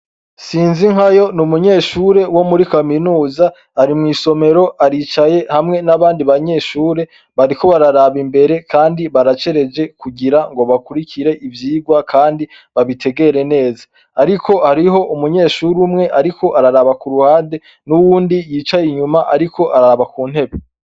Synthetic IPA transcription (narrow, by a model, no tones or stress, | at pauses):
siːnziŋhajo̞numuɲe̞ːʃuːɾe̞wo̞muɾikaminuːza | aɾimŋiːso̞me̞ɾo̞ʔaɾit͡ʃaje̞hamŋe̞naβaːndiβaɲe̞ːʃuːɾe̞ | βaɾiko̞βaɾaɾaβimbe̞ɾe̞kʰaːndiβaɾat͡ʃe̞ɾe̞d͡ʒe̞kuɡiɾaŋɡo̞βakuɾikʰiɾe̞ʔivjiːɡwakʰaːndi | βaβitʰe̞ɡe̞ɾe̞ne̞ːzaː | ɾiko̞haɾiɦo̞ʔumuɲe̞ːʃuɾumŋe̞ʔaɾikʰo̞ʔaɾaɾaβakuɾuhaːde̞ | nuwuːndijiːt͡ʃajiɲumaʔaɾiko̞ʔaɾaaβakuːn̥he̞βe